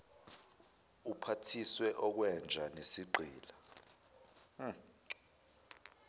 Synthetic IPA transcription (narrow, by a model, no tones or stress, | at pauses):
upʰatʰiswɛʔɔk̬wɛnd͡ʒʱanesiǃʱiːla